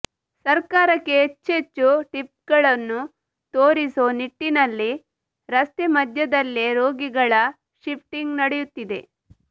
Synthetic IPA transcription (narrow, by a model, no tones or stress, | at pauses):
sɐɾkaːɾɐkːeɦet͡ʃːet͡ʃːuʈip̚ɡɐɭɐnːu | t̪oːɾisoːniʈːinɐlːi | ɾɐst̪emɐd̪ʱjɐd̪ɐlːeɾoːɡiɡɐɭɐ | ʃipʰʈiŋɡnɐɽejut̪ːid̪e̞̰